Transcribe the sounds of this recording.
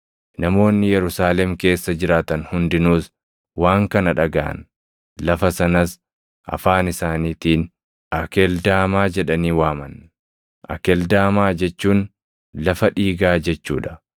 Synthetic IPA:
nɐmo̞ːnːɪjɛɾʊsaːlɛmke̞ːsːɐd͡ʒɪɾaːt̪ɐnhʊnd̪ɪnuːs | waːŋkɐnɐᶑɐɡa̰ːɐ̰n | lɐfɐsɐnɐs | ʔɐ̰faːnɪsaːniːt̪iːn | ɐkɛld̪aːmaːd͡ʒɛᶑɐniːwaːmɐ̰n | ʔɐ̰kɛld̪aːmaːd͡ʒɛt͡ʃːuːn | lɐfɐᶑiːɡaːd͡ʒɛt͡ʃːṵːᶑɐ̥

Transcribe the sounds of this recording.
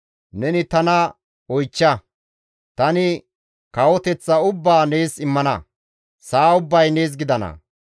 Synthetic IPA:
nɛnɪt̪ɐnɐ | ɔjt͡ʃːɐ | t̪ɐnɪ | kɐwɔt̪ɛt͡sːɐʊbːaːne̞ːsɪmːɐnɐ | saːʊbːɐjne̞ːs̬ɡɪd̪ɐnɐ̰

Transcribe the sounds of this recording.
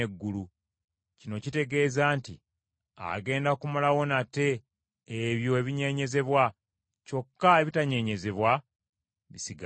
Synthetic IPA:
eɡːulu | cino̞cite̞ɡe̞ːzaːntḭ | a̰ɡe̞ːndakumalawo̞nate̞ː | βjo̞eβiɲe̞ɲe̞ze̞βwa | co̞kːaeβitaɲe̞ɲe̞ze̞βwa | βisiɡa

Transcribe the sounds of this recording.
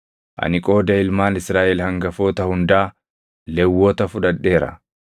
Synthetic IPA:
ʔɐ̰nɪkʼo̞ːd̪ɐɪlmaːnɪsɾaːʔɛlhɐŋɡɐfoːt̪ɐhʊnd̪aː | lɛwːoːt̪ɐfʊᶑɐᶑːe̞ːɾɐ̰

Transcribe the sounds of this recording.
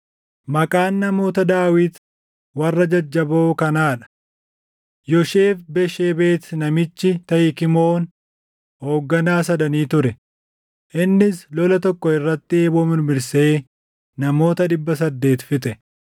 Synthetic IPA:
mɐkʼaːnːɐmo̞ːt̪ɐd̪aːwɪt̪ | wɐrːɐd͡ʒɐd͡ʒːɐboːkɐnaːᶑɐ̥ | jɔʃe̞ːfbɛʃeːbe̞ːt̪nɐmɪt͡ʃːɪt̪ɐhɪkɪmoːn | ho̞ːɡːɐnaːsɐd̪ɐniːt̪ʊɾɛ | ʔɪnːɪslɔlɐt̪ɔkːɔɪrːɐt̪ːɪeːboːmɪnʊmɪɾse̞ː | nɐmo̞ːt̪ɐᶑ̪ɪbːɐs̬ɐd̪ːe̞ːt̪fɪt̪ɛ

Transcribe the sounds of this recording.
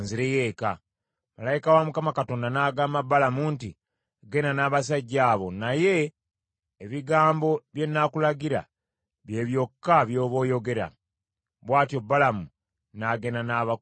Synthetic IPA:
nziɾeje̞ːka | malajikawamukamakato̞ːndanaːɡaːmabalamunti | ɡe̞nanaːβas̬aɟːaːβo̞naje̞ː | βiɡaːmbo̞βje̞nːakulaɡiɾa̰ | βje̞ːβjo̞kːaβjo̞ːβo̞ːjo̞ɡe̞ɾa̰ | βwaːtjobːalamu | naːɡe̞nanaːβa

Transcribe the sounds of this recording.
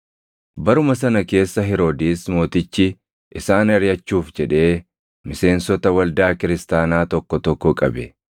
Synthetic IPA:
bɐɾʊmɐsɐnɐke̞ːsːɐɦɪɾo̞ːd̪iːsmo̞ːt̪ɪt͡ʃːɪ | ʔɪsaːnɐɾjɐt͡ʃːuːfd͡ʒɛᶑe̞ː | mɪse̞ːnsɔt̪ɐwɐld̪aːkɪɾɪst̪aːnaːt̪ɔkːɔt̪ɔkːɔkʼɐbɛ

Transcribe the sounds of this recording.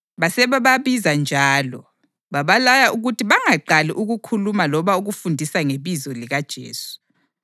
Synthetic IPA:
βasɛβaβaβizand͡ʒʱaːlɔ | βaβalajaʔuɣutʰiβaŋaǃaliʔuɣukʰulumalɔβauɣufundʱisaŋeβizɔliɣad̥ʒ̥ʱḛːsu̥

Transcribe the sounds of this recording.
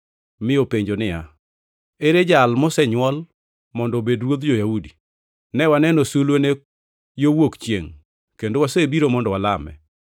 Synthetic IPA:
mɪopeɲd͡ʒonɪja̰ | eɾed͡ʒalmɔsɛɲwɔl | mɔndɔbedɾwod̪d͡ʒojaudi | nɛwanɛnɔsulwone | jowokt͡ʃjeŋ | kendowasebiɾomɔndɔwalamɛ̰

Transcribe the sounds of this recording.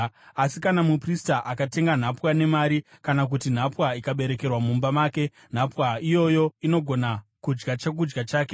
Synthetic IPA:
asikanamupristaʔakate̞ŋɡan̤apwane̞maːɾikanak̬utin̤apwaikaɓe̞ɾe̞ke̞rwamumbamaːke̞ | n̤apwaijo̞jo̞ino̞ɡʱo̞nakud͡ʒɡat͡ʃek̬ud͡ʒɡat͡ʃaːke̞

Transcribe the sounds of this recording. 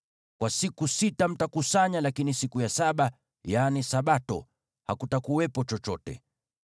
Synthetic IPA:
kwasikusitam̩takusaɲalakinisikujasaɓa | janisaɓatɔ̰ | hakutakuwɛpɔt͡ʃɔt͡ʃɔtɛ̰

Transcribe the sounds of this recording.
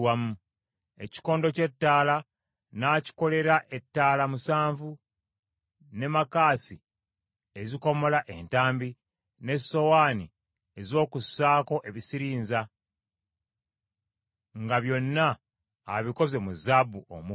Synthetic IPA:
wamu | e̞ci̥ko̞ːndo̞ce̞tːaːla | naːci̥ko̞le̞ɾaʔe̞tːaːlamusaːɱvu | ne̞makaːsi | e̞ziko̞mo̞laʔe̞ntaːmbi | ne̞so̞waːni | e̞zo̞ːkusːaːko̞ʔe̞βisiɾiːnza | ŋɡaβjo̞nːaː | βiko̞ze̞muzabuo̰mu

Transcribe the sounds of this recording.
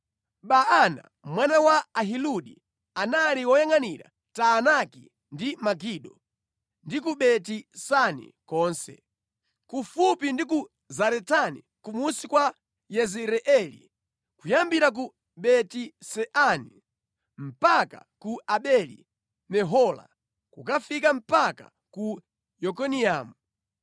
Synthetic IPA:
ɓaana̰ | mwanawaːɦiluɗḭ | analiwɔjaŋaniɾa̰ | taːnaki | ndimaɡiɗɔ | ndikuɓɛtisanḭkɔːnsɛ̰ | kufupindik̬u | zaɾɛtanḭ | kumusikwa | jɛzɛɾɛʔɛlḭ | kujambiɾak̬u | ɓɛtisɛʔani | m̩paka̰kuʔaɓɛlḭ | mɛɦɔla̰ | kukafikam̩paka̰ | ku | jɔk̬ɔniaːmu

